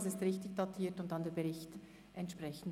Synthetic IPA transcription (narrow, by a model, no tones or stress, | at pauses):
sɪstʁɪçtɪçd̥ɑtʰiːtʊntd̥ɑndeːɐbəʁɪçt | ʔɛntʃpʁɛçən̩d